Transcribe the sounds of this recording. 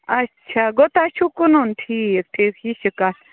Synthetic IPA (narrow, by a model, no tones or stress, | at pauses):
ɐtːt͡ʃʰaɡot̪aʃʰukununʈʰiːk̚ʈʰiːkhiʃika